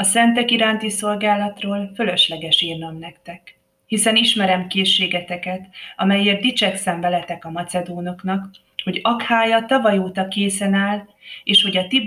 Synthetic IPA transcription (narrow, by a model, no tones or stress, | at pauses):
ɒsɛnt̪ɛkiɾaːnt̪iso̞lɡaːlːɒt̪roːlfølø̞ʃlɛɡɛʃiːrnɒmnɛkt̪ɛk | hisɛniʃmɛɾɛmkeːʃːeːɡɛt̪ɛkɛt̪ɒmɛjeːrd̪it͡ʃɛksɛmvɛlɛt̪ɛkɒmɒt̪sɛd̪oːno̞knɒk | ho̞ɟɒkhaːjɒt̪ɒvɒjoːt̪ɒkeːsɛnaːl | eːʃho̞ɟɒt̪i